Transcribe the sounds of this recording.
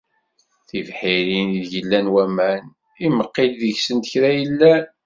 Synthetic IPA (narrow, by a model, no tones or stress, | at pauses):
θivħiɾiniðʝəlːænwæmæn | iməqːilðəʝsənt̪ə̥çɾæjəlːæ